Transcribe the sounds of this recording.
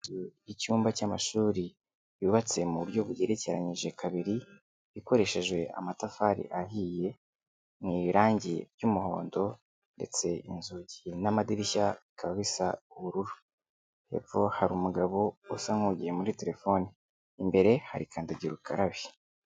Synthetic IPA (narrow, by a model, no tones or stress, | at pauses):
ujicuːmbacamaʃuːɾi | jiβat͡se̞muuɾjo̞βujeɾe̞ce̞ɾaɲiʒe̞kʰaβiɾi | βiko̞ɾe̞ʃe̞ʒwe̞ʔa̰matafaɾḭʔaɦije̞ | mŋiːɾaːɲɟḭbjumuho̞̰ːndo̞ | nde̞̰t͡se̞ḭnzuɟinamadiɾiçaikʰaβaβisauβuɾuɾu | hḛvo̞haɾuːmuɡaβo̞usaŋhuɟijemuɾite̞ɾe̞fo̞niː | mbe̞ɾe̞ha̰ɾikʰaːndaɟiɾukʰaɾaβi̥